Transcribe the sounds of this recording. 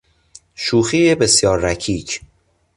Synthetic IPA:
ʃuːxiːebesjɒːɾːæcʰiːc

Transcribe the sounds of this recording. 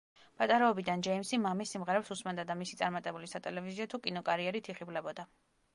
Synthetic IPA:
pʼat̪ʼaɾɛɔbid̪and͡ʒɛimsimamisːimʁɛɾɛpsusmɛnd̪ad̪amisit̪sʼaɾmat̪ʼɛbulisat̪ʼɛlɛviziɔt̪ʰukʼinɔkʼaɾiɛɾit̪ʰiχiblɛbɔd̪a

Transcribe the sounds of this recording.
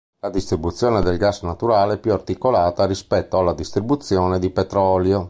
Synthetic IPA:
lad̪ist̪ɾibut̪sːjɔːned̪elɡasnat̪uɾaːleɛpːjuart̪ikolaːt̪aɾispɛt̪ːoalːad̪ist̪ɾibut̪sːjɔːned̪ipet̪ɾɔljo

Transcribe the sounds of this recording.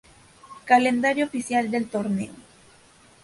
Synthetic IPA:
kalend̪aɾjoːfisjald̪elt̪oɾnḛo

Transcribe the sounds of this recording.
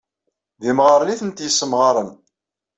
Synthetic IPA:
ðimʁəɾˤəniθənt̪jəsːəmʁɑɾˤən

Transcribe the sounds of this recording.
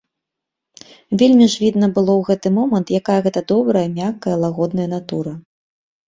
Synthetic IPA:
vʲelʲmʲiʐvʲid̪nɐbɨlˠɔwɣɛt̪ɨmɔmɐnt̪jakajɐɣɛt̪ɐd̪ɔbɾɐjɐmʲakːɐjɐlˠaɣɔd̪nɐjɐnat̪uɾɐ

